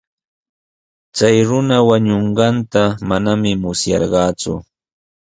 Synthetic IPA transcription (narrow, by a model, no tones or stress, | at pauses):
t͡sajɾʊnawaɲoɴɢɑnt̪amanamɪmʊsjɑ̰ɾɢɑːt͡sʊ̰